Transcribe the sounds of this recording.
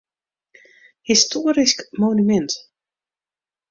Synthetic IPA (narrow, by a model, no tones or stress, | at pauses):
histoːɾiskmonymɛnt